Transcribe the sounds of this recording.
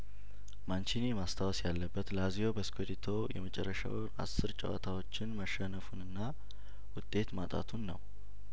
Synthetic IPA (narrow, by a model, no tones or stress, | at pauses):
mant͡ʃinimast̪ʰawɔsjalːəbːət̪lazio̞bəskʰod̪it̪ʰo̞jɛ̰mət͡ʃʼɛ̰rːəʃa̰w | a̰sːɨɾt͡ʃʼə̰wa̰t̪ʰawo̞t͡ʃːɪnməʃənəfunɨnːa | wʊt̪ʼːe̞t̪mat̪ʼa̰t̪ʰunːəw